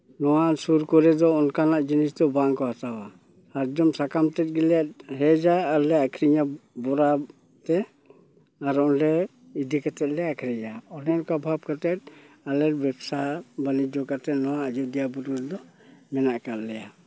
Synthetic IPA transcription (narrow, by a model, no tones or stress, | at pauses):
nɔwasuɾkɔɾɛd̪ɔɔnkanaʔd͡ʒinisd̪ɔbaŋkɔhat̪awa | haɾd͡ʒɔmsakamtɛt̚ɡɛlat̚ɦɛd͡ʒaːlɛakʰɾiɲabɔɾa | t̪ɛ | aɾɔnlɛ | id̪ikat̪ɛt̪̚lɛakʰɾɛd͡ʒaɔnɛnkabʱap̚kat̪ɛt̚ | alɛɾbɛbsabalid͡ʒɔkat̪ɛnɔwaːd͡ʒud̪ijabut̚ɔɾɛd̪ɔ | mɛnaʔkallɛja